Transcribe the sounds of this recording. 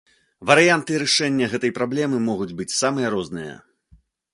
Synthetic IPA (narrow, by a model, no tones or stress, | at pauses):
vɐɾɨjant̪ɨɾɨʂɛnʲːɐɣɛt̪ɐjpɾablʲɛmɨmɔɣud͡zʲbɨt͡sʲsamɨjɐɾɔznɨjɐ̰